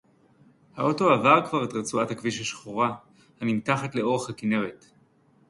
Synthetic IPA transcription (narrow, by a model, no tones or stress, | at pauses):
hao̞to̞avaʁkvaʁetʁet͡suathakviʃaʃχoʁa | hanimtaχatle̞o̞ʁeχhakineʁet